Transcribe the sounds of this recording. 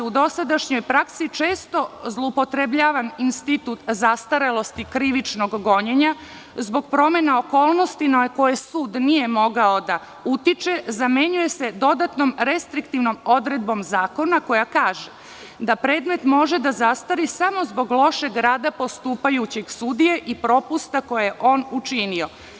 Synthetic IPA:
ud̪o̞sad̪aʃɲo̞jpɾaksit͡ʃe̞ːst̪o̞zlˠoupo̞t̪ɾebʎaːʋaninst̪it̪ut̪zast̪aɾelo̞st̪ikɾiʋit͡ʃno̞ɡːo̞ɲeɲa | zbo̞ɡ̚pɾo̞me̞nao̞ko̞ːlˠno̞st̪inako̞jesuːd̪nije̞mo̞ɡao̞d̪a | ut̪it͡ʃe̞zame̞ɲuje̞se̞d̪o̞d̪at̪no̞mɾe̞st̪ɾikt̪iʋno̞mo̞d̪ɾe̞d̪̚bo̞mzaːko̞nako̞jakaːʒe | d̪apɾe̞ːd̪me̞t̪mo̞ʒe̞d̪azast̪aɾisamo̞zbo̞ɡlˠo̞ʃe̞ɡɾaːd̪apo̞st̪uːpajut͡ɕeɡsud̪ije̞ʔipɾo̞pust̪ako̞jajeʔo̞ːnut͡ʃinio̞

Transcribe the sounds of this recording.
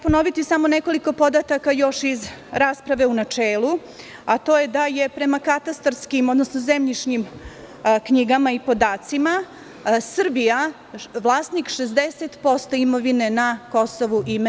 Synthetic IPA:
ponoʋit̪isamo̞neko̞liko̞po̞d̪at̪akajo̞ʃizɾaːspɾaʋe̞unat͡ʂeːlˠu | at̪o̞ːje̞d̪aje̞pɾe̞makat̪ast̪ɾskimod̪nosnozemʎit͡ʂɲim | kɲiɡamaipo̞d̪aːt̪sima | sr̩bija | ʋlˠaːsnikʃezd̪eset̪po̞st̪oimo̞ʋine̞nako̞so̞ʋuʔime

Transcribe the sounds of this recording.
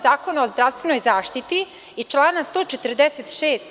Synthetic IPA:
zaːkonaozd̪ɾaʋst̪ʋeno̞jzaːʃt̪it̪i | it͡ʃlˠaːnast̪o̞ːt͡ʃet̪r̩d̪eset̪ʃeːst̪

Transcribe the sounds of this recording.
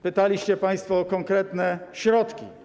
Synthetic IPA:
pɘt̪alʲiɕt͡ɕɛpaj̃st̪fɔːkɔŋkɾɛt̪nɛɕɾɔt̪kʲḭ

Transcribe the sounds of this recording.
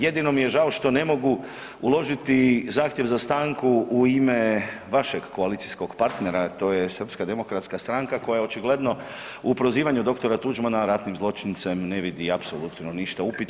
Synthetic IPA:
je̞d̪ino̞mije̞ʒaoʃt̪o̞ne̞mo̞ɡu | ulo̞ʒit̪izaːxt̪je̞ʋzast̪aːŋkuuime̞ʋaʃeɡːo̞alit̪sisko̞ɡpaɾt̪ne̞ɾat̪o̞ːjesr̩pskad̪e̞mo̞kɾat̪skast̪ɾaŋkako̞jajao̞t͡ʃiɡle̞d̪no̞ | upɾo̞ziːʋaɲud̪o̞kt̪o̞ɾat̪ud͡ʒmanaɾat̪nimzlˠo̞t͡ʃint̪se̞mne̞ʋid̪iapsolut̪noniʃt̪aupit̪

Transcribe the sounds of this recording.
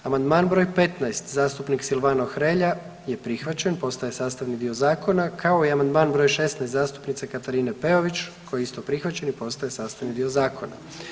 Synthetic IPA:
amand̪maːnbɾo̞jpe̞t̪naest̪zaːst̪upniksilʋanoxɾeʎa | je̞pɾixʋat͡ɕe̞npo̞st̪ajesaːst̪aʋnid̪io̞zaːko̞nakʰao̞iamand̪maːnbɾo̞ːjʃest̪najst̪zaːst̪u̥pnit̪sekat̪aɾiːnepe̞oʋit͡ʃkʰojeist̪opɾixʋat͡ɕe̞nipo̞st̪ajesaːst̪aʋnid̪io̞zaːkʰo̞na̰

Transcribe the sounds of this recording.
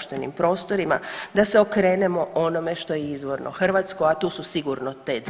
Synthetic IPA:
ʃt̪enḭmpɾo̞ːst̪o̞ɾima̰d̪ase̞okɾe̞ːne̞mo̞ʔo̞no̞me̞ʃt̪o̞jeizʋo̞ɾnʔo̰xr̩ʋaːt̪skojat̪uːsusiɡuɾno̞t̪ed̪

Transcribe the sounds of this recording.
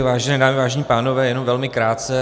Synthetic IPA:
vaːʒɛnɛːdaːmɪvaːʒɛɲiːpaːno̞vɛːjɛnomvɛlmɪkɾaːt̪t͡sɛ

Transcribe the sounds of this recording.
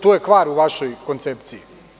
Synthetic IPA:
t̪oːjekʋaːɾuʋaʃo̞jko̞nt̪sept̪siji

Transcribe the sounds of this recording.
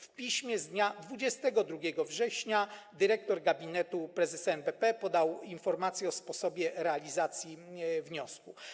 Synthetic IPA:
fpʲiɕmʲjɛzd̪ɲad̪vud͡ʑɛst̪ɛɡɔd̪ɾuɡʲjɛɡɔvʐɛɕɲad̪ɘɾɛk̚t̪ɔɾɡabʲinɛt̪upɾɛzɛsɛnbɛpɛpɔd̪awinfɔɾmat̪sʲjɛɔspɔsɔbʲjɛɾɛalʲizat̪sʲjivɲɔsku

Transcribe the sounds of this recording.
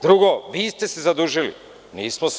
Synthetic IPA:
d̪ɾuɡoʋiːst̪ɛsezad̪uʒilḭ | niːsmos

